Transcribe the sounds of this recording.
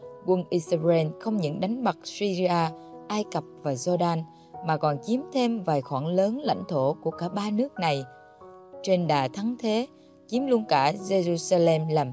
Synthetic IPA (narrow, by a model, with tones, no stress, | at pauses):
kwə˧nʔi˧sɾe˧nxə˧wŋ͡mɲɨ̰˧˥ŋɗa˨˦jŋ̟ɓa˨˩k̚swi˧zi˧aː˧ʔaː˧jkə˨˩p̚vaː˨˩zɔ˧ɗaː˧n | maː˨˩kɔ˨˩nt͡ɕi˨˦əmt̪ʰe˧mvaː˨˩jxwaː˧˩nləː˨˦nla̰˧˥jŋ̟t̪ʰo˧˩ku˧˩əkaː˧˩ɓaː˧nɨ˦˥ək̚na˨˩j | t͡ɕe˧nɗaː˨˩t̪ʰa˨˦ŋt̪ʰe˨˦ | t͡ɕi˨˦əmlu˧ənkaː˧˩ze˧zu˧saː˧lɛ˧mlaː˨˩m